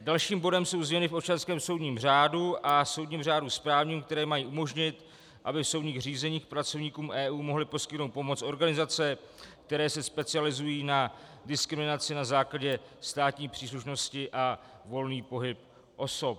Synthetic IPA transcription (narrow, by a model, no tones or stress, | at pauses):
dalʃiːmbo̞dɛmso̞wzmɲɛnɪfʔopt͡ʃanskɛːmso̞wdɲiːmr̝aːduʔaso̞wdɲiːmr̝aːduspɾaːvɲiːmkt̪ɛɾɛːmajiːʔumo̞ʒɲɪt̪ | ʔabɪfso̞wdɲiːɣr̝iːzɛɲiːxpɾat͡so̞vɲiːkuːmɛːʔuːmo̞ɦlɪpo̞skɪt̪nowt̪̚po̞mo̞t͡sʔo̞ɾɡanɪzat͡sɛ | k̚t̪ɛɾɛːsɛspɛt͡sɪalɪzujiːnadɪskɾɪmɪnat͡sɪnazaːklaɟɛst̪aːt̪ɲiːpr̥iːs̬luʃno̞scɪʔa | vo̞lniːpo̞ɦɪp̚ | ʔo̞so̞p̚